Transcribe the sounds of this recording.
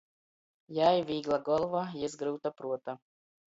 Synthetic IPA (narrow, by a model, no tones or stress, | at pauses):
jajʋʲiɡlˠɐɡɔlˠʋɐjɪzɡɾɨwt̪ɐpɾuɔt̪ɐ